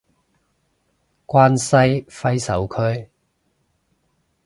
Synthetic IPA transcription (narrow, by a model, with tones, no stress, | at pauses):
kwaː˥nsɐ˥jfɐ˥jsɐ̰˨˥wkʰɵ˥˧ɥ